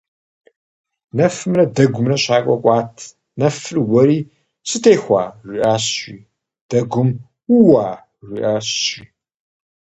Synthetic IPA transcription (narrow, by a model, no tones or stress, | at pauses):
nɐfɨmrɐdɐɡʷʊmrɐɕaːkʷʼɔkʷʼaːtʰ | nɐfɨrwɐɾiː | sɨtʰeːxʷa̰ːʒʷiʔaːɕiː | d̥ɐɡʷʊm | wuwaː | ʒʷiʔaːɕiː